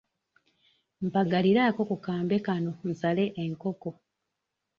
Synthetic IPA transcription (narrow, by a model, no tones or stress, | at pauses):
m̩paɡaliɾaːko̞kukaːmbe̞kano̞n̩sale̞ʔeŋko̞ko̞